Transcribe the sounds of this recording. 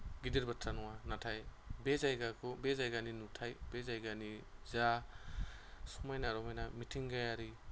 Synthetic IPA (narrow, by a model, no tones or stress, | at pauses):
ɡidiɾbatʰɾanɔŋanatʰaj | bezajɡakʰɔbezajɡaninutʰajbezajɡaniza | sɔmajnaɾɔmajnamitʰiŋɡajaɾi